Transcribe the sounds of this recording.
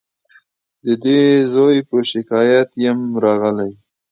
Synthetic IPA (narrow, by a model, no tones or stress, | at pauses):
d̪əd̪ezojpəʃɪkɑjat̪jamɾɑɣəlaj